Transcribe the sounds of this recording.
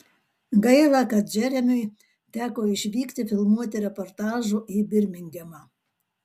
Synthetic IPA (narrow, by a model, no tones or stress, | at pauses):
ɡɐɪlˠɑkɐd͡ʒʲɛɾʲɛnʊj | t̪ʲæːkoːɪʃʲʋʲiːkt̪ʲɪfʲɪlˠmuɔt̪ʲɪɾʲɛpɔɾt̪ɑːʒuibʲɪɾʲmʲɪŋʲɡʲɛmɑː